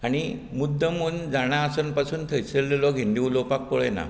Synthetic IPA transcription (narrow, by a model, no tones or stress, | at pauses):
aɽ̃imud̪ʱːəmuːnd͡zaɽ̃aəsənpasuːnt̪ʰəjt͡selːelɔɡʱind̪iulopak̚poɭena̰